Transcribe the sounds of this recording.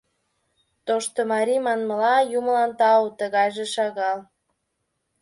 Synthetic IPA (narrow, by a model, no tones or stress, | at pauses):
t̪oʃt̪omɑɾimɑnməlɑjuməlɑnt̪ɑot̪əɣɑjʒeʃɑɣɑl